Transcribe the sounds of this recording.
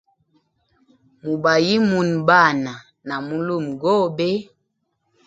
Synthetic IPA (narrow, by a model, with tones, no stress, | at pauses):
mu˨ba˨ji˦mu˨nba˦˨na˨ | na˨mu˦lu˦˨mɡɔ˦be˦